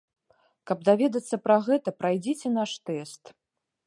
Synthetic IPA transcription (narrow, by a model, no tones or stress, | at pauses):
kɐb̚d̪avʲɛd̪ɐt̪sːɐpɾɐɣɛt̪ɐpɾajd͡zʲɛt͡sʲɛn̪aʂt̪ɛst̪